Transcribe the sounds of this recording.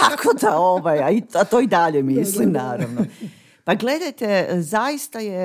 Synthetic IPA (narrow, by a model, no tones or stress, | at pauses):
akʰod̪aoʋajaiat̪oːid̪aʎemislimnaːɾaʋno | paɡle̞d̪ajt̪ezajist̪aje